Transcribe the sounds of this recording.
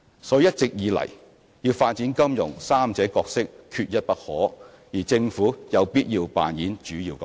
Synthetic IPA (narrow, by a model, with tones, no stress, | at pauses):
sɔː˨˥˨jɐ˥t̚t͡sɪ˨k̚jiː˨˧lɐ̰˨˩j | jiː˧wfaː˧t̚t͡siː˨˥nkɐ˥mjʊ̰˨˩ŋsaː˥mt͡sɛː˨˥kɔː˧k̚sɪ˥kkʰy˧t̚jɐ˥t̚pɐ˥t̚hɔ̰ː˨˥ | jiː˨˩t͡sɪ˧ŋfuː˨˥jɐ˨˧wpiː˥t̚jiː˧wpa̰ː˨njiː˨˥nt͡ʃyː˨˥jiː˧wkɐ˨˦